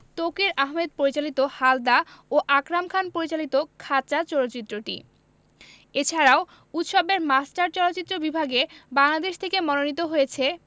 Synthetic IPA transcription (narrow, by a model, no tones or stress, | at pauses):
t̪okiɾaɦmed̪̚poɾit͡ɕalit̪ohald̪aoʔakɾamkʰanpoɾit͡ɕalit̪okʰat͡ɕat͡ɕɔɾot͡ɕit̪ːɾoʈḭ | et͡ɕʰaɾao | ut̪ʃɔbeɾmasʈaɾt͡ɕɔlotːt͡ɕit̪ːɾobibʱaɡebaŋlad̪eʃt̪ʰekemɔnonit̪̬oɦojet͡ɕʰe